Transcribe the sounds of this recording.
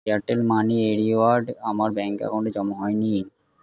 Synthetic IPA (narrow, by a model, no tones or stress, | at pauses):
aʈelmanieɾiwaɾɖamaɾbɛŋka̰ɡoɳɖed͡ʑɔmoɦɔeni